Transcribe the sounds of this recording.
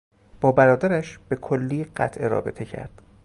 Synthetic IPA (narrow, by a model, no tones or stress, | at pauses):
b̥ɒːbæɾɒːd̪æɾæʃb̥e̞kʰolːiːɢæ̰t̪ʰʔeɾɒ̰ːbe̞̰t̪ʰe̞cʰæ̰ɾd̪̥